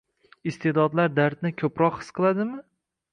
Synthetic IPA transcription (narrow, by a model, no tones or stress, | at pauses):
ɪst̪ʰed̪ɒd̪laɾd̪aɾt̪nɪkʲʰɵpɾɒqhɨ̥sqʰɨlˠad̪ɪmɪ